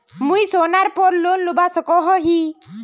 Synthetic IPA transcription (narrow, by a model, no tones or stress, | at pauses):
mujsonaɾpɔɾlonlubasɔkɔɦɔɦi